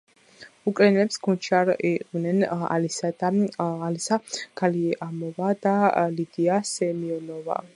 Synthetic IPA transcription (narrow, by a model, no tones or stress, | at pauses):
ukʼɾɛnɛlɛpsɡʰunt͡ʃʰiaɾiqʼvnɛna̰lisad̪aːlisakʰaliamɔvad̪alid̪iasɛmiɔnɔva̰